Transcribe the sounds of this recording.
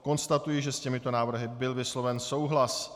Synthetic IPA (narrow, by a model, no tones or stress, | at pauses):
ko̞nst̪at̪ujiʒɛscɛmɪt̪o̞naːvr̩ɦɪbɪlvɪslo̞vɛnso̞wɦlas